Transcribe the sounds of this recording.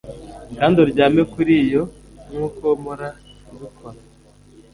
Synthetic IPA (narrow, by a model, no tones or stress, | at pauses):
kaːndoɾɟaːmekuɾijo | ŋuːkomoɾaβukʰoɾa